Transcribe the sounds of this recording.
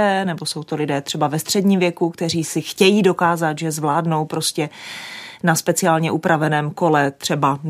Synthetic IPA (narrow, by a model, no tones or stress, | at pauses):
ɛːnɛbo̞so̞wt̪o̞lɪdɛːt̪r̝̥ɛbavɛst̪r̝̥ɛdɲiːmvjɛkukt̪ɛr̝iːsɪxcɛjiːdo̞kaːzat̪ʒɛzvlaːdno̞wpɾo̞scɛ | naspɛt͡sɪaːlɲɛʔupɾʔavɛnɛːmko̞lɛt̪r̝̥ɛba